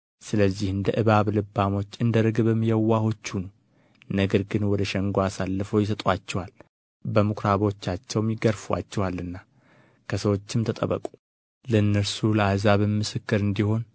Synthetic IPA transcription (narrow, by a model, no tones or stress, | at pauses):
sɨləzːihɨnd̪əʔɨβaβlɨbːamo̞t͡ʃːɨnd̪əɾɨɡbəmːijɛwːaho̞t͡ʃːunəw | nəɡəɾɡɨnwɔd̪əʃɛŋɡoasalːɨfowjɪs̬ət̪ʼat͡ʃːɛwal | bəmukʰɾaβo̞t͡ʃːat͡ʃːɛwmjɪɡəɾfuwa̰t͡ʃːɛwalːɨnːa | kʰəsəwo̞t͡ʃːɪmt̪ʰət̪ʼə̰βə̰kʼu̥ | ləɨnːəɾsuləahzaβɨmːɨsɨkːɨɾɨnd̪iho̞n